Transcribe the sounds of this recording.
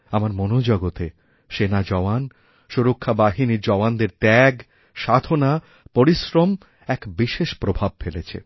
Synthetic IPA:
amaɾmonod͡ʑɔɡot̪e | ʃenad͡ʑɔwan | ʃuɾokʰːabaɦiniɾd͡ʑɔwand̪eɾt̪ɛɡ | ʃad̪ʱona | poɾiʃɾom | ɛkbiʃeʃpɾobʱab̚felet͡ɕʰḛ

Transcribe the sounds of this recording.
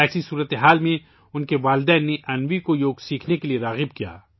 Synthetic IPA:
ɛːsisuːɾət̪eɦaːlmẽ | ʊnkeʋaːld̪ɛːnːeʔɐnʋikojoːɡsiːkʰnekelieɾaːɣɪbkija̰ː

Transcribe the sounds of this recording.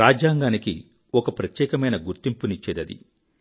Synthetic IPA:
aːd͡ʒaːŋɡaːniki | ɔkɐpɾɐt̪jɛːkɐmɐjnɐɡuɾt̪impunit͡ʃːeːd̪ɐd̪ḭ

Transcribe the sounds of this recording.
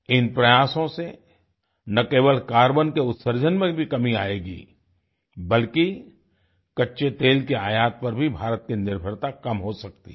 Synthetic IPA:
ɪnpɾɐjaːsõse | nɐkeːʋəlkaːɾbənkeʊt̪səɾd͡ʒʱənmẽbʱikɐmiaːeːɡḭː | bɐlki | kɐtːʃet̪eːlkeaːjaːt̪̚pɐɾbʱibʱaːɾət̪̚kinɪɾbʱəɾt̪akɐmɦosɐk̚t̪ḭ

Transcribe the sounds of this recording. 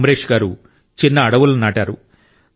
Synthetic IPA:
mɐɾeːʂɡaːɾu | t͡ʃinːɐːɽɐʋulunaːʈaːɾu

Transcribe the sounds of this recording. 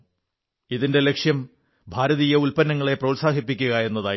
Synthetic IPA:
iðinde̞le̞kʂjɐm | bʱaːɾɐðiːjɐulpɐnːɐŋːɐɭe̞prɐːlsaːɦipːikʲːuɣɐe̞nːɐðaː

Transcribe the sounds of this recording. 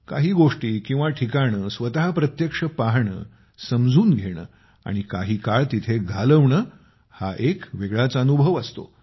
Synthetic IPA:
ka̰ɦiːɡoʂʈiːkĩw̃ʋaʈʰikaɽ̃əːsʋət̪aɦapɾət̪jəkʂəpaɦɳə̰ | səmd͡zʱuːnɡʱeɽ̃ə̰ː | a̰ɽ̃ikaɦiːkaɭt̪it̪ʰeɡʱaləʋɳəː | haʔekʋeɡɭat͡saənubʱəʋəst̪o̰

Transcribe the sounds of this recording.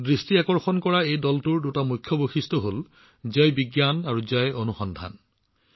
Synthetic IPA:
dɹistiakɔɹxɔnkɔɹaejdɔltuɹdutamujkʰːjɔboxistʰɔɦol | zajbiɡjanaɹuzajonuxɔndʱa̰n

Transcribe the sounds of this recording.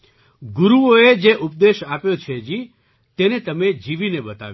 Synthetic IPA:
ɡʊɾuoed͡ʒeʔup̚d̪eʃapjot͡ʃʰed͡ʒi | t̪enet̪əmed͡ʒiʋineɓət̪a̰ʋ

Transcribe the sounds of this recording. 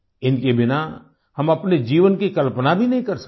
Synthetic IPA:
ɪnkebɪna | hɐmɐpned͡ʒiːʋənkikɐlpənabʱinɐɦĩkɐɾsɐ̥

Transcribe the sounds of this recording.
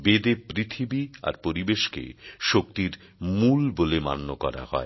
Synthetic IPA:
bed̪epɾit̪ʰibia̰ɾpoɾibeʃkḛʃok̚t̪iɾ | mulbolema̰nːokɔɾa̰ɦɔ̰e

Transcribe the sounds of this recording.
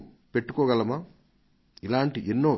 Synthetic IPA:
pe̞ʈːukɔːɡɐlɐma | ilaːɳʈiʔenːo̞ː

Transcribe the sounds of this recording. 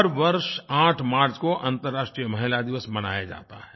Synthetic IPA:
əɾʋɐɾʃãːʈʰmaːɾt͡ʃkoʔɐ̃nt̪əɾːaːʃʈɾijəmɐɦɪlad̪ɪʋəsmɐna̰ːjad͡ʒa̰ːt̪a̰ɦɛː

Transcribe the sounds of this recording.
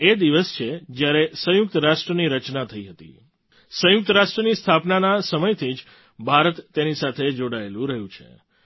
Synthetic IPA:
ed̪iʋəst͡ʃʰed͡ʒjaɾesə̃jʊk̚t̪əɾaʂʈɾəniɾət͡ʃnat̪ʰəiɦət̪ḭ | sə̃jʊk̚t̪əɾaʃʈɾənist̪ʰapnanasəməjt̪ʰid͡ʒ | bʱaɾət̪ːenisat̪ʰed͡ʒoɽaelũɾəɦjũt͡ʃʰḛ

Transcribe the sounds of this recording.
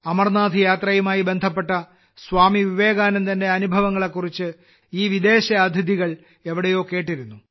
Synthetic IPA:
ɐmɐrnaːd̪ʱijaːt̪rɐjumaːjibe̞nd̪ʱɐp̬ːe̞ʈːɐ | sʋaːmiʋiʋe̞ːɣaːnɐmt̪ɐnde̞ɐnubʱɐʋɐŋːɐɭe̞kːurit͡ɕːɨ | iːʋid̪e̞ːɕɐɐd̪ʱɐd̪iɣɐɭ | e̞ʋiɽejo̞ːke̞ːʈːiɾunːu

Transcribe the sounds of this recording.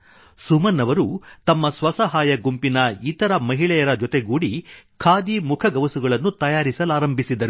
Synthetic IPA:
sumɐnːɐʋɐɾut̪ɐmːɐsʋɐsɐɦaːjɐɡumpinɐit̪ɐɾɐmɐɦiɭɛjɐɾɐd͡ʒɔt̪eɡuːɽikʰaːd̪imukʰɐɡɐʋɐsuɡɐɭɐnːut̪ɐjaːɾisɐlaːɾɐmbʱisid̪ɐɾu

